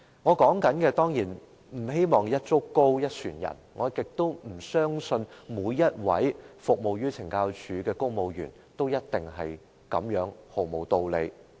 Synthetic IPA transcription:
ŋɔː˨˧kɔː˨˥ŋkɐ˨˥nkɛː˧t̪ɔː˥ŋjiː˨˩n | m̩˨˩he˥jmɔː˨˩ŋjɐ˥t̚t͡sʊ˥kkːo˥wjɐ˥t̚t͡ʃʰyː˨˩njɐ̰˨˩nŋʔɔː˨˧kɪ˨k̚t̪o˥wm̩˨˩sœː˥ŋsɵ˧nmuː˨˧jjːɐ˥t̚wɐ̰˨˥jfʊ˨k̚mo˨wjyː˥t͡sʰɪ˨˩ŋkaː˧wt͡ʃʰyː˨˥kɛː˧kʊ˥ŋmo˨˧wjy̰ː˨˩n | t̪o˥wjɐ˥t̚t̪ɪ˨ŋɦɐ˨j | kɐ̰˨˥mjœː˨˥ŋho˨wmo˨wt̪o˨˧wlḛ˨˧j

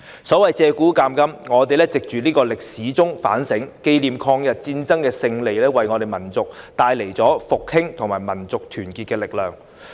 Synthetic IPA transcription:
sɔː˨˥wɐ˨jt͡sɛː˧kuː˨˥kaː˧mkɐ˥mŋɔː˨˧t̪e˨jlɛː˥t͡sɪ˨k̚t͡ʃyː˨˧niː˥kɔː˧lɪ˨k̚siː˨˥t͡sʊ˥ŋfa̰ː˨˥nsɪ˨˥ŋke˧jliː˨mkʰɔː˧ŋjɐ˨t̚t͡siː˧nt͡sɐ˥ŋkɛː˧sɪ˧ŋle˨jlɛː˥wɐ˨jŋɔː˨˧t̪e˨jmɐ˨˩nt͡sʊ˨k̚t̪aː˧jle˨˩jt͡sɔː˨˥fʊ˨k̚hɪ˥ŋt̪ʰʊ˨˩ŋmaː˨˩jmɐ˨˩nt͡sʊ˨k̚t̪ʰyː˨˩nkiː˨t̚kɛː˧lɪ˨k̚lœː˨ŋ

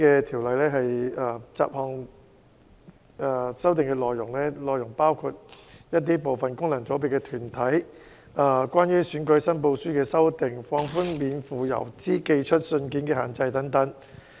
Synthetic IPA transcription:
kɛː˧t̪ʰiː˨˩wlɐ˨˩jlɛː˥ɦɐ˨ja˨˧t͡sa̰ː˨p̚hɔː˧ŋ | aː˨sɐ˥wt̪ɪ˨˩ŋkɛː˧lɔː˨jːʊ˨˩ŋlɛː˥lɔː˨jʊ˨˩ŋpaː˥wkʰu˧t̚jɐ˥t̪̚iː˥po˨wfɐ˨nkʊ˥ŋlɐ˨˩ŋt͡so˨˥pe˨kɛ˧t̪ʰyː˨˩nt̪ʰɐ˨˥j | a˨˩kʷwʷaː˥njyː˥syː˨˥nkɵ˨˧˥ɥsɐ˥npo˧wsyː˥kɛː˧sɐ˥wt̪ɪ˨ŋfɔː˧ŋfuː˥nmiː˨˧nfuː˨jɐ̰˨˩wt͡siː˥ke˧jt͡ʃʰɵ˥t̚sɵ˧nkiː˨˥nkɛː˧haː˨˩nt͡sɐ˧jt̪ɐ˨˥ŋt̪ɐ˨˥ŋ

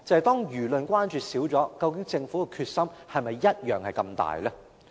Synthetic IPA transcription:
t͡sɐ˨˧hɐ˨jt̪ɔː˥ŋjyː˨˩lɵ˨nkʷaː˥nt͡ʃyː˨siː˨˥wt͡sɔː˨˥kɐ˧wkɪ˨˥ŋt͡sɪ˧ŋfuː˨˥kɛ˧kʰyː˧t̚sɐ˥mhɐ˨jmɐ˨jːɐ˥t̚jœː˨˩ŋhɐ˨jkɐ˧mt̪a̰ː˨jlɛː˥

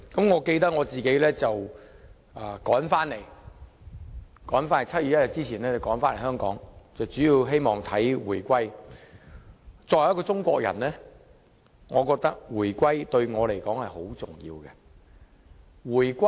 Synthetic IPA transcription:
kɐ˨˥mŋɔː˨˧ke˧jt̪ɐ˥k̚ŋɔː˨˧t͡siː˨ke˨˥lɛː˥t͡sɐ˨w | aː˨kɔː˨˥nfaː˥nle˨˩j | kɔː˨˥nfaː˥ne˨˩t͡sʰɐ˥t̚jyː˨˩jɐ˥jɐ˨˧t̚t͡siː˥t͡sʰiː˨˩nɛː˥t͡sɐ˨wkɔː˨˥nfaː˥nlhɦœː˥ŋkɔː˨˥ŋt͡sɐ˨wt͡ʃyː˨˥jiː˧wɦe˥jmɔː˨ŋt̪ʰɐ˨˥jwuː˨˩jkʷɐ˥j | t͡sɔː˧jj̚kɔː˧t͡sʊ˥ŋkʷɔ̰ː˧k̚jɐ̰˨˩nlɛː˥ | ŋɔː˨˧kɔː˧k̚t̪ɐ˥k̚wuː˨˩jkʷɐ˥jt̪ɵ˧ɥŋɔː˨˧le˨˩jkɔː˨˥ŋhɐ˨jho˨˥wt͡sʊ˨˩ŋjḭː˧wkɛ˧ | wuː˨˩jkʷɐ˥

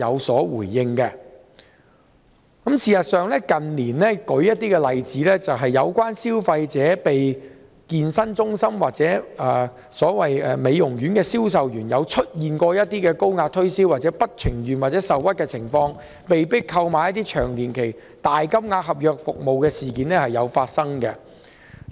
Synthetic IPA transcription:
jɐ˨˧wsɔː˨˥wuː˨˩jːɪ˧ŋkɛ˧ | kɐ˨˥msiː˨˩sɐ˨t̚sœː˨ŋlɛː˥kɐ˨nliː˨˩nlɛ˥kɵ˨˥ɥjɐ˥t̚t̪iː˥kɛ˧lɐ˨jt͡siː˨˥lɛː˥t͡sɐ˨wɦɐ˨jːɐ˨˧wkʷaː˥nsiː˥wfɐ˧jt͡sɛː˨˥pe˨j | kiː˧nsɐ˥nt͡sʊ˥ŋsɐ˥mwaː˨t̚t͡sɛː˨˥ʔɛː˨˧ | sɔː˨˥wɐ˨jɛ˨˧me˨˧jʊ˨˩ŋɥyː˨˥nkɛː˧siː˥ws̬ɐ˨wjyː˨˩njɐ˨˧wt͡ʃʰɵ˥t̚jiː˨nkɔː˧jɐ˥t̚t̪iː˥kɛː˧ko˥wŋaː˧t̪ʰɵ˥ɥsi˥waː˨t̚t͡sɛː˨˥pɐ˥t̚t͡sʰɪ˨˩ŋɥyː˨nwaː˨t̚t͡sɛ˨˥sɐ˨wwɐ˥t̚kɛː˧t͡sʰɪ˨˩ŋfɔː˧ŋ | pe˨jpɪ˥kkʰːɐ˧wmaː˨˧jɐ˥t̪̬iː˥t͡ʃʰœ̰ː˨˩ŋliː˨˩nkʰe˨˩j | t̪aː˨jkɐ˥mŋaː˧ɦɐ˨p̚jœː˨k̚fʊ˨k̚mo˨wkɛː˧siː˨˩kiː˨˧nlɛː˥hɐ˨jɐ˨˧wfaː˧t̚sɐ˥ŋkɛ˧

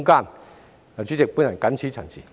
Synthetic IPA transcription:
ŋka˥˨n | a˨t͡ɕʰi˦˩t͡ɕe˨˩pu˧˦na˨˩ka˦nt͡ɕʰi˦t͡ɕʰa̰˨˩nt͡ɕʰḭ˨

